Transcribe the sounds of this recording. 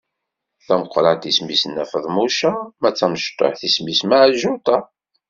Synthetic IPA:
θæməqʷːɾˤɑt̪ismisənːæfəðˤmuʃamæt͡sːæməʃt̪ˤːo̰ħθismismaʕlʒʊt̪ɑ

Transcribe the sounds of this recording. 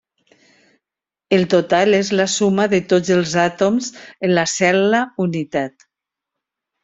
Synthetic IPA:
əlˠt̪ot̪alezlasumaðət̪od͡zəlˠzat̪omzənlasɛlaunit̪at̪

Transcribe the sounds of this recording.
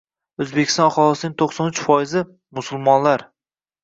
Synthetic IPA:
ɵzbekʲʰɪst̪ɒnɑχɒlˠɪsɪnɪŋt̪ʰoqsɒnʊt͡ʃfɒjɪzɪ | mʊsʊlˠmɒnlaɾ

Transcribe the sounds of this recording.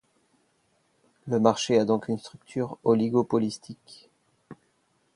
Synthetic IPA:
ləmaʁʃead̪ɔ̃kʰynst̪χyk̚t̪ʰyːʁɔliɡopɔlist̪ʰik

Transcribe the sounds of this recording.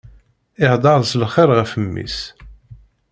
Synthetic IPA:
ɪhd̪ˤɑɾðˤslχɪɾʁəfəmːḭs

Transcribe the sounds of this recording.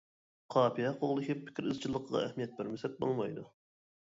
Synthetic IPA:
qʰɑːpʰijɛqʰoʁlˠɨkʲipʰːɪ̥kʲʰɪɾɨzt͡ʃʰilˠːəqʰəʁɑ̰ɛhmijɛt̪̚bæɾmɪsɛt̪̚bo̰lˠmɑjd̪u

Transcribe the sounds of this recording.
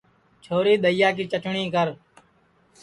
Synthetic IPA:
t͡ʃʰoːɾiːɗ̪əɪjaːk̬iːt͡ʃəʈɳĩːkəɾ

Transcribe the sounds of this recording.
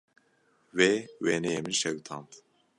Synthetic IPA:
wewenɛjemɨnʃɛwt̪ʰɑːnt̪

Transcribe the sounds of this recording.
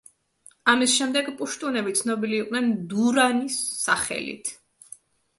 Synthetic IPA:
amisʃɛmd̪ɛɡpʼuʃt̪ʼunɛbit̪sʰnɔbiliːqʼnɛnd̪uɾanisːaχɛ̰lḭt̪ʰ

